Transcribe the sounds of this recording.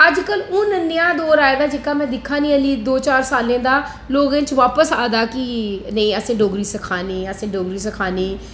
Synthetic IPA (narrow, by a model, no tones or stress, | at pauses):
əd͡ʒkəlʊ̃ːnənːɪjãːd̪oːɾaːeːd̪aːd͡ʒɪkaːmɛ̃ːd̪ɪkʰːãːnĩːəliːd̪oːt͡ʃaːɾsaːlẽːd̪aː | loːɡẽːt͡ʃʋaːpəsaːd̪aːkɪnəĩːəsĩːɖoːɡɾiːsəkʰaːnẽːəsĩːɖoːɡɾiːs̬əkʰaːneː